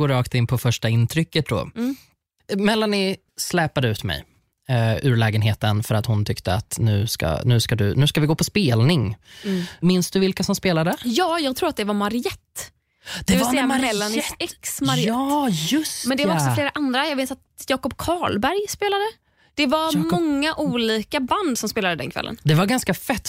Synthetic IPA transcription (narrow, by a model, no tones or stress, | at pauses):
ɡoːɾɑːkt̪ɪnpʰɔfœʂʈaɪnt̪ʰɾʏkːət̪̚d̪ɔ̰ː | mɛlːanɪ | slɛːpad̪əʉ̟ːt̪mɛ̰j | ʉɾɭɛːɡənɦeːt̪ənfœɾat̪hʊnt̪ʰʏkt̪əa̰t̪nʉ̟ːska̰nʉ̟ːskad̪ɵ̰nʉ̟ːskavɪɡoːpʰɔspeːlnɪŋ | mɪnsd̪ɵvɪlkasɔmspeːlad̪əjɑːjɑːɡ̚t̪ʰɾuːɾat̪̚d̪ɛvaɾmaɾɪɛt̪ː | d̪̥ɛvɪɛmaɾɛlːənɛksmaɾɪɑːɵsmɛnd̪ɛvaɾɔksfleːɾaʔand̪ɾajɑɡveːt̪at̪jɑːkɔp̚kʰɑːɭbæɾjspeːlad̪ə | d̪̥ɛvaɾmɔŋːaʔuːliːkaband̪sɔmspeːlad̪əd̪ɛ̰nkʰvɛ̰lːə̰nd̪ɛvaɾɡanskafɛt̪ː